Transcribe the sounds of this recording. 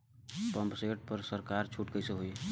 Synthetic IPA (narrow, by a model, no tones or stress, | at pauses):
pəmpseʈ̚pəɾsəɾkaɾt͡ʃʰuʈkəjseɦoj